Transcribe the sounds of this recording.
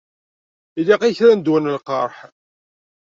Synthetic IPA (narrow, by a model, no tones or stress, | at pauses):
iliqiçɾænd̪wænəlqɑɾˤħ